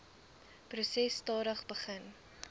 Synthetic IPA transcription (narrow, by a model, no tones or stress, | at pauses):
prusɛstɑːɾəχbəχən